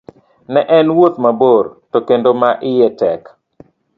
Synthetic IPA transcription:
nɛʔɛnwot̪mabortokendomaʔɪjɛtɛk

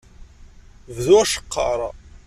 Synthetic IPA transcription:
vðuæʃə̥qːɑ̰ɾˤɑ

